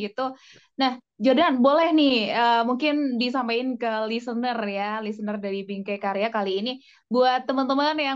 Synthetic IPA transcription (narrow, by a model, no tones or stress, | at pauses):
ɡit̪u | nah | d͡ʒodanbolɛhnɪhəmuŋkɪndis̬ampaɪnkəlisənərjalisənərdaɾibiŋkakaɾeakaliːni | buat̪ːəmənt̪əmanja